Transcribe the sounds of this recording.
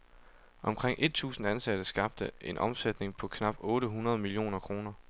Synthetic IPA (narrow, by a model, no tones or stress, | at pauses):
ʔɒ̽mkʰʁeŋ̰ʔe̝d̥̚t͡sʰṵːsn̩ænsæd̥əsɡ̥ɑ̈b̥d̥əe̝nʔɒ̽msed̥ne̝ŋpʰɒ̽kʰnɑ̈b̥ɔ̽ːɾəɦunɐð̞̩ˠmilio̝̰ːnɐkʰʁo̝ːnɐ